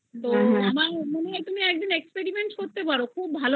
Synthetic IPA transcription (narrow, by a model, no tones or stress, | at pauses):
t̪omamamoneɦajt̪umiɛk̚d̪inekspeɾimeɳʈkoɾt̪epaɾokʰubːʱalo